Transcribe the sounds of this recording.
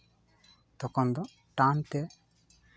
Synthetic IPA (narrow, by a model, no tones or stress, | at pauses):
t̪ɔkɔnd̪ɔ | ʈãnt̪ɛ